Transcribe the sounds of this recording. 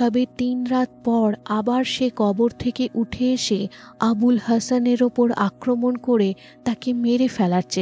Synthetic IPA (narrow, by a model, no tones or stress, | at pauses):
t̪ɔbet̪inɾat̪̚pɔɾabaɾʃekɔboɾt̪ʰekeʔuʈʰeeʃeabulhəsaneɾopoɾa̰kɾomonkoɾe | t̪akemeɾefɛlaɾt͡ɕʰe